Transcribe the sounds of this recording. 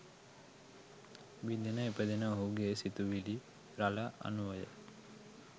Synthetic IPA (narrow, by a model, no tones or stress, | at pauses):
ʋid̪enəepəd̪enəoɦuɡesit̪uʋili | ɾalaʔa̰nuʋəjə̰